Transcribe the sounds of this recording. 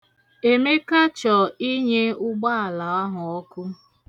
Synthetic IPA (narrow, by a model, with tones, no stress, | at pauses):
e˨me˦ka˦t͡ʃɔ˨i˦ɲe˦ʊ˦ɡ͡ba˦a˨la˨a˦ɦʊ˨ɔ˦kʊ˦